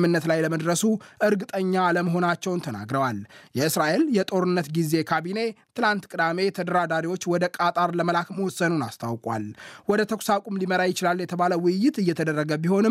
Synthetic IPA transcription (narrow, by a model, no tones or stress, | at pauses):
mɨnːət̪lajləməd̪ɾəsuʔɨɾɡɨt̪ʼəɲːaːləməɦo̞nat͡ʃːɛwnt̪ʰəna̰ɡɾəwaljɛɨsɾaʔe̞ljɛt̪ʼo̞ɾɨnːət̪ɡize̞kʰaβine̞t̪ʰɨlant̪kʼɨd̪ame̞t̪ʰəd̪əɾad̪aɾiwo̞t͡ʃːwɔd̪əkʼat̪ʼaɾləməlakməwɔsːənunast̪ʰawkʼwa̰lwɔd̪ət̪ʰəkʷsakʼumliməɾajɪt͡ʃɪlalːjɛt̪ʰəβaləwʊjːɪt̪ɨjːɛt̪ʰəd̪ərːəɡəbiho̞nɨm